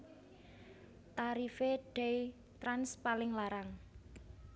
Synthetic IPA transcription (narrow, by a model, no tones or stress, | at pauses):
t̪aɾifeɖ̥ɛj | t̪ɾanspalɪŋlaɾaŋ